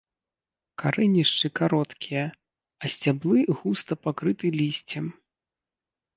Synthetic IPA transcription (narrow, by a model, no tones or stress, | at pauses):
kaɾɛnʲiʂt͡ʂɨkaɾɔt̪kʲijɐ | ɐsʲt͡sʲablˠɨɣust̪ɐpakɾɨt̪ɨlʲisʲt͡sʲɛm